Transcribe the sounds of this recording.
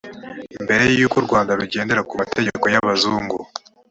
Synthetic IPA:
imbe̞ɾe̞jjukuɾɡwaːndaβiɟe̞ːnde̞ɾakumatʰeɟeko̞jaβazuːŋɡu

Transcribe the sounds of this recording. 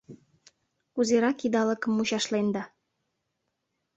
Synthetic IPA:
uzeɾɑkid̪ɑləkə̆mːuɕɑʃlend̪ɑ

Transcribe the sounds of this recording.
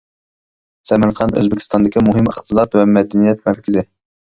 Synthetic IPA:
sɛmæɾqʰɑnø̰zbɪkʲi̥st̪ɑnd̪ɪkʲimuɦɪməχt̪ɨsɑt̪wɛmɛd̪ɛnijɛt̪̚mæɾkʲʰɪzɪ

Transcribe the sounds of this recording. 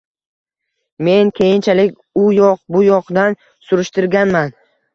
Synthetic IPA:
me̞nkʲʰe̞jɪnt͡ʃʰalɪkʲ | ʊjɒq̚bʊjɒqd̪an | sʊɾɪʃt̪ɪɾɡʲanman

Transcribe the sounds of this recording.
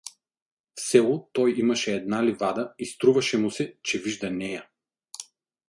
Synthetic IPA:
fsɛlˠʊt̪ɔjimɐʃɛːd̪nalivad̪ɐist̪ɾuvɐʃɛmusɛt͡ʃɛviʒd̪ɐnɛja

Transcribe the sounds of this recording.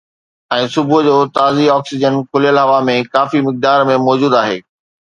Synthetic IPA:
ɛ̃ːsʊbʱʊ̆d͡ʑoːt̪aːziɔːksɪd͡ʑənkʰʊlijəlɦɐʋamẽkaːfimɪk̚d̪aːɾmẽmɔːd͡ʑuːd̪aːɦḛː

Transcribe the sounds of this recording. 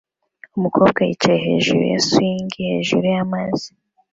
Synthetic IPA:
omukʰoːbɡaiceɦe̞̰ːʒṵɾṵja̰suiːŋɡihe̞ːʒuɾujamaz̥i

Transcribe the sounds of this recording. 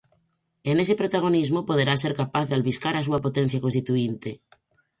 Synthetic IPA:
enesepɾot̪aɣ̞onizmopoð̞eɾaseɾkapaθðealβiskaɾas̬uapot̪en̟θjakonst̪it̪uint̪e

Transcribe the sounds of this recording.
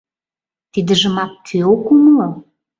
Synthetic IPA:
t̪id̪ə̆ʒə̆mɑk̚t̪ʰeokuməlo

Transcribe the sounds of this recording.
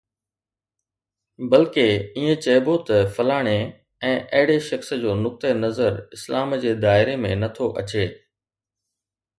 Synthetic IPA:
bɐlkeiːẽt͡ɕɐbot̪ɐfɐlaːɽ̃e | ɛ̃ːʔɐɦɪɽeʃɐxsəd͡ʑoːnʊk̚t̪enɐzəɾɪslaːmd͡ʑeːd̪aːɪɾemẽnɐt̪ʰoʔɐ̰t͡ɕeː

